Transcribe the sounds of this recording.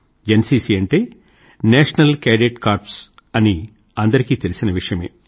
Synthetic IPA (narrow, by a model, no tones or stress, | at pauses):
d͡ʒensiːsiːɐɳʈeː | nɛːʂɐnɐlkeːɖeʈkaːɾps | ɐni | ɐnd̪ɐɾikiːt̪e̞lisinɐʋiʂɐjɐme̞̰ː